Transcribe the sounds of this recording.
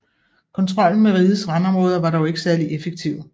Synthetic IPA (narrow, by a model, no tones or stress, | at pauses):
kʰɒ̽nt͡sʰʁɒ̽l̰n̩meʁiðˠəsʁɑ̈nɒ̽mʁɔːð̞ˠɐʋɑ̈ɾɒʊe̝ɡ̥əsæɐliʔefeɡ̥̚t͡sʰiʊ̰